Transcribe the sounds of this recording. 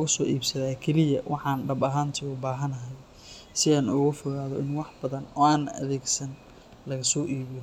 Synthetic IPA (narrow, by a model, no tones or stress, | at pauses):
ɣʊsɔːʔiːbsɐðaːkʰɛlɪjɐwʔɑħɑːnɖɐbɐɦaːnt̪ʰiʊbaːɦɐnɐɦɛj | sɪaːnʊɣʊfɔɣaːðɔʔɪnwɑħb̥ɐðɐnɔːaːnɐ̰ðɛːɡsɐn | lɐɣɐsɔːʔiːβɪjɔ